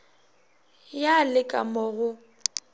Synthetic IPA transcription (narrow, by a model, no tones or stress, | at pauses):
jalɪkʼa̰mɔːɣʊ